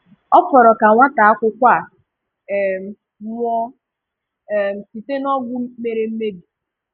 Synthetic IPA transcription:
ɔ˦fɔ˨ɾɔ˨ka˨ŋʷa˦ta˨a˦kʷʊ˦kʷa˦˨ | m̩˨˦ | m˦ɔ˦˨ | m̩˨si˨te˦nɔ˦ɡʷʊ˦me˨ɾe˦m̩˦me˦bi˨

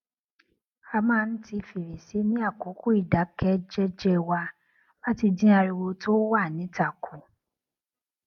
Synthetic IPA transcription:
a˧mãː˦˧n̩˦ti˧fi˨ɾe˨se˨˦nĩ˦a˦˨ko˨˦ku˦i˦˨da˨˦kɛ˦d͡ʒɛ˦d͡ʒɛ˦wa˧ | ba˦ti˧dĩ˦a˧ɾi˧wo˧to˦wa˦˨nĩ˨˦ta˦˨kʰu˨

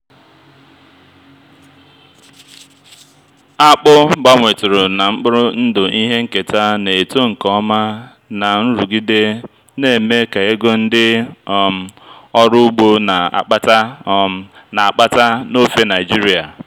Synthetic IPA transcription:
a˦k͡pʊ˦ɡ͡ba˦ŋʷe˨tʊ˨ɾʊ˨na˨ŋ͡m̩˦k͡pʊ˦ɾʊ˦n̩˦dʊ˨ʔi˦ɦe˦ŋ̩˦ke˨ta˦ne˨to˦ŋ̩˨kɔ˦ma˦ | na˨n̩˦ɾu˨ɡi˦de˦ | ne˨me˦ka˨e˦ɡo˦n̩˦dɪ˦˨m̩˨ɔ˦ɾʊ˦u˦ɡ͡bo˦na˨a̰˨k͡pa˦ta˦ | na˨a˨k͡pa˦ta˦no˦fe˦na˨ɪ˨d͡ʒi˦ɾi˦a˨

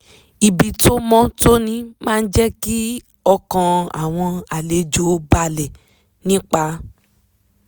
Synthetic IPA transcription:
i˨bi˨to˦mɔ̃˦to˦nĩ˦mãː˦˧n̩˦d͡ʒɛ˦ki˦ | ɔ˧kã˧a̰˨w̃ɔ̃˧a˨le˨˦d͡ʒo˨˦ba˧lɛ˨ | nĩ˦k͡pa˧˦

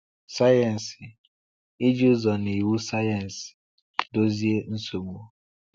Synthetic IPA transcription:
sa˦jɛ˨n̩˨sɪ˨ | i˦d͡ʒu˦zɔ˨ni˨wu˦sa˦ja˨n̩˨s | do˦zi˦e˦n̩˦so˨mu˨˦˨

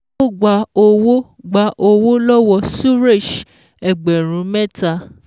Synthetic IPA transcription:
o˦ɡ͡ba˧˦o˧wo˦ | ɡ͡ba˧ʔo˧wo˦lɔ˦wɔ˧su˦ɾe˦˨ʃ | ɛ˨ɡ͡bɛ˨ɾ̃ũ˨˦mɛ̃˦ta˦˧

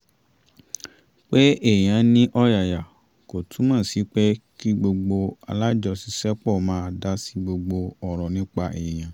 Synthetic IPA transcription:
k͡pe˦e˦˨j̃ã˧˦nĩ˦ʔɔ˦ja˨ja˨ | ko˨tũ˨˦mãː˦˨si˨˦k͡pɛ˦ki˦ɡ͡bo˧ɡ͡bo˧a̰˧la˦d͡ʒɔ˧si˧˦sɛ˦k͡pɔ˦˨mãː˦˧da˦si˦ɡ͡bo˧ɡ͡bo˧ɔ˨ɾɔ˨nĩ˦k͡pa˧ʔe˨j̃ã˨

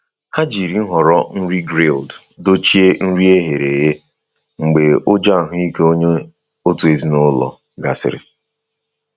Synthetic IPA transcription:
ha˦d͡ʒi˨ɾi˨n̩˦ɦɔ˨ɾɔ˦n̩˦ɾi˦ɡɾe˦˨ld | do˦t͡ʃi˦e˦n̩˦ɾi˦e˦ɦe˨ɾe˨je˦ | ŋ͡m̩˨ɡ͡be˨ʊ˦d͡ʒa˦a˨ɦʊ˦i˦ke˦o˦ɲe˦ | o˦tu˨e˨zi˦nʊ˦lɔ̰˨ | ɡa˨sɪ̰˨ɾɪ̰˨

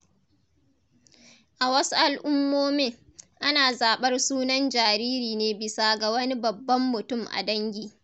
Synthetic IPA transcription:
ʔa˨wɐ˦su˦ʔa˨lʔʊ˦mːoː˦meː˦ | ʔa˦naː˨zaː˨ɓɐ˦rsuː˦nɐ˦nd͡ʒaː˨ɾiː˦ɾiː˨neː˦bɪ˨saː˦ɡa˨wɐ˦ni˦bɐ˨bːɐ˦mːʊ˨tʊ˦˨mʔa̰˨dɐ˦ŋɡʲiː˨

